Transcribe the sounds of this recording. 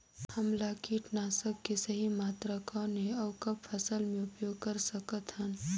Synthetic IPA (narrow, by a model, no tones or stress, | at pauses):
hɐmlakiʈnaːsəkːesɐɦimaːt̪ɾəkãnẽɐwkɐbfʰɐsəlmẽʊpjoːɡ̚kɐɾsɐkət̪ɦən